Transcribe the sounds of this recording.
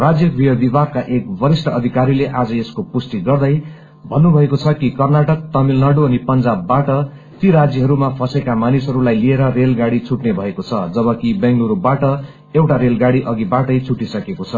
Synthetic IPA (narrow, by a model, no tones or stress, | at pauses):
rad͡zjʌkbʱiʌb̪ibarkaʔek̚bʌɾisʈʰʌʌd̪ʱikaɾileʔad͡zʌeskopusʈ̪iɡʌrd̪ʌj | bʱʌnːubʱʌekot͡sʰʌkikʌrnaʈʌk̚t̪ʌmilnaɽoʌnipʌnd͡zabːaʈʌ | t̪iɾad͡zjʌɦʌɾumapʰʌsekamanisɦʌɾulajlieɾʌrelɡaɽit͡sʰuʈnebʱʌekot͡sʰʌd͡zʌβʌkibʌŋɡluɾobaʈʌ | ewʈaɾelɡaɽiʔʌɡibaʈʌjt͡sʰuʈisʌkekot͡sʰʌ